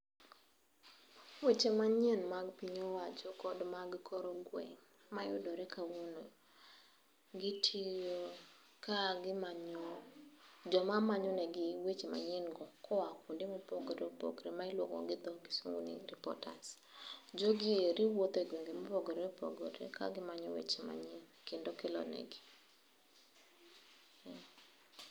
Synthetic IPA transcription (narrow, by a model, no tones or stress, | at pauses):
wet͡ʃemaɲɛnmaɡpiɲɔwad͡ʒɔkɔdmaɡkʰoɾoɡwɛ̰ŋ | majʊdɔɾɛkawuno | ɡitʰijo | kaɡɪmaɲo | d͡ʒɔmamaɲɔnɛɡɪwet͡ʃema̰ɲɛnɡɔkʰɔwakundɪmopoɡɾopo̰ɡɾemaɪlwoŋɔ̰ɡɪd̪ɔɡɪsuŋo̰nḭɾipɔ̰ta̰s | d͡ʒoɡɪeɾiwot̪oɡweŋɡemopoɡɔɾɛpo̰ɡɔɾḛka̰ɡɪmaɲɔwḛt͡ʃema̰ɲinkendokɪlɔ̰nɛ̰ɡɪ | ɛ